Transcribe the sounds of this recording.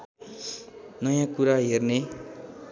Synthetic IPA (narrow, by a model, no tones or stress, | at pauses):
nʌjãkuɾaɦerne